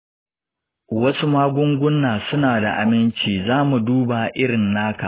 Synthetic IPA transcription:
wɐ˦su˦maː˦ɡʷʊ˦ŋɡʷʊ˦nːaː˨sʊ˦naː˨da̰˨ʔa̰˨mɪ˦nt͡ʃiː˨zaː˦mu˨duː˦ba˨ʔɪ˦ɽɪ˨nːaː˦ka̰˨ʔ

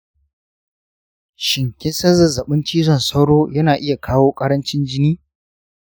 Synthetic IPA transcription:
ʃɪ˨ŋkʲɪ˦nsɐ˦zɐ˨zɐ˨ɓɪ˦nt͡ʃiː˦zɔ˦˨nsɐ˦wɽoː˦jɐ˦naː˨ʔɪ˦ja˨kʰaː˦woː˦kʼɐ˦ɽɐ˦nt͡ʃɪ˦nd͡ʒɪ˦niː˦

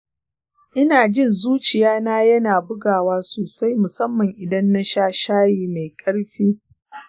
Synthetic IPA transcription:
ʔɪ˦naː˨d͡ʒɪ˦˨nzuː˦t͡ʃɪ˨jaː˦naː˦jɐ˦naː˨bʊ˦ɡaː˨waː˦soː˨sa˦jmʊ˨sɐ˦mːɐ˨ŋʔɪ˨dɐ˦nːa˦ʃaː˦ʃaː˦jiː˦ma˨jkʼɐ˦ɽɸiː˦

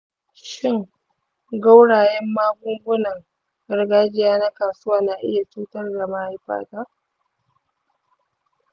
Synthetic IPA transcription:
ʃɪ˦ŋ | ɡa˦wɽaː˨jɛ˦mːaː˦ɡʷʊ˦ŋɡʷʊ˦nɐ˨ŋ | ɡɐ˨rɡaː˦d͡ʒɪ˦jaː˦na˦kaː˨sʊ˦waː˦na˨ʔɪ̰˦ja˨t͡ʃuː˦tɐ˦rɡa˨ma˦ha˦jɸa̰ː˦taː˦ʔ

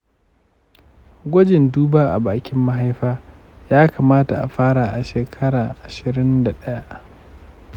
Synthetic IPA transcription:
ɡʷɔ˦d͡ʒɪ˨nduː˦baː˦ʔa̰˨baː˨kʲɪ˦mːa˦ɦa˦jɸaː˦ | jaː˦kaː˨maː˦ta˨ʔa̰˨ɸaː˦ɽa˨ʔa˨ʃeː˨kʰɐ˦ɽaː˨ʔa˨ʃɪ˨ɾɪ˦nda˨ɗɐ˦ja˦ʔ

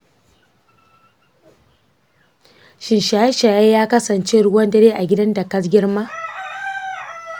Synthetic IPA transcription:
ʃɪ˨nʃaː˨˦ʃaː˨jaː˦jaː˦kɐ˦sɐ˨nt͡ʃeː˦ɽʊ˦wɐ˦ndɐ˦ɽeː˦ʔa˨ɡʲɪ˦dɐ˦ndɐ˨kɐ˦s̬ɡʲɪ˦rmaː˦

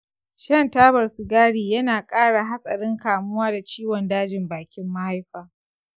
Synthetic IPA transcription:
ʃɐ˦˨ntaː˦bɐ˨rsʊ˨ɡaː˦ɽiː˨jɐ˦naː˨kʼaː˦ɽa˨ɦa˦sʼɐ˨ɽɪ˦ŋkaː˨mʊ˦waː˦da˨t͡ʃiː˦wɔ˨ndaː˦d͡ʒɪ˨mbaː˨kʲɪ˦mːa˦ha˦jɸaː˨

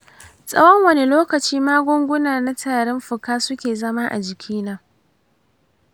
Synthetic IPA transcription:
sʼɐ̰˦wɔ˦ŋwɐ˦ne˦loː˦kɐ˨t͡ʃiː˦maː˦ɡʷʊ˦ŋɡʷʊ˦naː˨na˦tʰaː˨ɾɪ˦mɸʊ˨kaː˦sʊ˦kʲeː˨zɐ˦maː˦ʔa̰˨d͡ʒɪ˨kʲʰiː˦naː˦

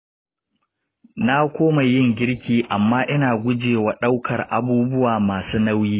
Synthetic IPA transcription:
na˦kʷoː˦ma˨jɪ˦˨ŋɡʲɪ˦ɽkʲiː˨ʔa˨mːaː˦ʔɪ˦naː˨ɡʷʊ˦d͡ʒeː˨wa˨ɗa˦wkʰɐ˨rʔa̰˨buː˦bʊ˦waː˨maː˨suː˦na˦wjiː˦

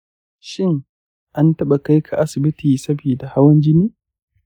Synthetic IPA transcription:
ʃɪ˦ŋ | ʔa˦ntɐ˦ɓa˨ka˦jkʰa˨ʔa˦sɪ˨bɪ˦tiː˨sɐ˦biː˨da˨ha˦wɐ˦nd͡ʒɪ˦niː˦

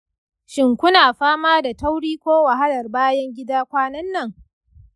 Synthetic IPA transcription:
ʃɪ˨ŋkʷʊ˦naː˨ɸaː˦maː˦da˨tɐ˦wɽiː˦kʷoː˦wa˨ɦa˦lɐ˨rbaː˦jɐ˦ŋɡʲɪ˦daː˦kʷaː˦nɐ˦nːɐ˦˨ŋ

